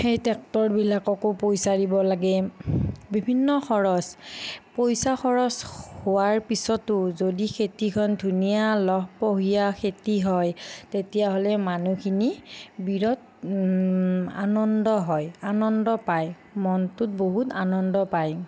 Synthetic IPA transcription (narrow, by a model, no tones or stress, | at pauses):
xejtɛk̚tɔɹbilakɔkopojsadibɔlaɡɛ | bibʱinːɔxʰɔɹɔspojsaxɔɹɔshowaɹpisɔtːʊzodikʰetikʰɔndʱunijalɔɦpoɦijakʰetiɦɔjtetijaɦolɛmanukʰinibiɹɔt | a̰nɔndɔɦɔjanɔndɔpaj | mɔntʊt̚boɦutanɔndɔpaj